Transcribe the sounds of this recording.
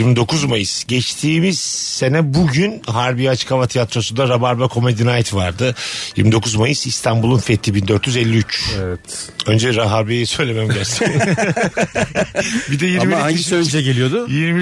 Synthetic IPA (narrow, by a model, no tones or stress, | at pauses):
jiɾmid̪o̞kʰuzmajɯsɟɛt͡ʃt̪ʰiːmiz̥se̞nɛbuɟynɦaɾbiat͡ʃkʰavat̪ʰijat̪ɾo̞sund̪aɾabaɾbɛkʰo̞med̪inajt̪vaɾd̪ɯjiɾmid̪o̞kʰuzmajɯsist̪ʰanbulˠunfet̪ʰːibind̪ø̞ɾt̪ʰjyzɛlʲːiyt͡ʃɛvɛt̪ø̞nd͡ʒɛɾaɦaɾbejisø̞jlʲemæmɟæɾt̪ʰɛ | bid̪ɛjiɾmiʃød͡ʒɛɟelʲijod̪ʊjiɾm